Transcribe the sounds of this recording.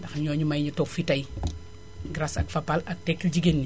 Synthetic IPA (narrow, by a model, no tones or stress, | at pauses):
dɐxɲɔːɲumɐjɲutɔkfitɐj | ɡɾasɐkfɐpalɐk̚tɛkːld͡ʒiɡeni